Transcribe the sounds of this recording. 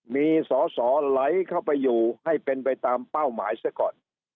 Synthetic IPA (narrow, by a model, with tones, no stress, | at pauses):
miː˧sɔː˩˦sɔː˩˦la˦˥jkʰa˥˩wpa˧jːuː˨˩ha˥˩jpe˧npa˧jt̪aː˧mpa˥˩wmaː˩˦jsa˥˩kɔː˨˩n